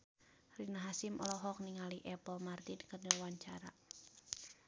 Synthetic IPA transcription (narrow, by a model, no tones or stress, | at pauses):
rinaɦasɪmʔɔlɔɦɔk̚niŋaliʔɛpɔmart̪inkənəwaɲt͡ʃaɾa